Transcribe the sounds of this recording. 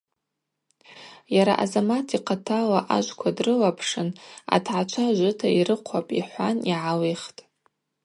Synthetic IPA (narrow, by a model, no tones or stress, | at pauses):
jaɾa̰ʔazamatʰiqʰatʰalaʔaʒʷkʷʰadrɨlapʰʂɨna̰tʰʕat͡ʃʷʰaʒʷɨtʰairɨqʷʰapʼiħʷaniʕaliχtʼ